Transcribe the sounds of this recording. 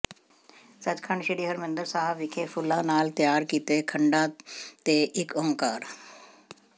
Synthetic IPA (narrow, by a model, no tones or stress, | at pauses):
sət͡ʃkʰəɳʃɪɽiːɦəɾmɪ̃nd̪əɾsaːɦəʋɪkʰeːpʰʊlːãːnaːlt̪jaːɾkiːt̪eːkʰəɳɖãːt̪eːʔɪkɔːŋkaːɾ